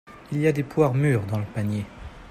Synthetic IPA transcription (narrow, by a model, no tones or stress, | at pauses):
iliad̪epwaʁmyːʁd̪ɑ̃ləpanje